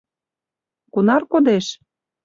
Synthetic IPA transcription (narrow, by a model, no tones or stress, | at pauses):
kunɑrkod̪eʃ